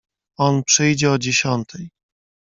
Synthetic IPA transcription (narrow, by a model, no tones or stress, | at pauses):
ɔnpʂɘjd͡ʑɛɔd͡ʑeɕɔnt̪ʰɛj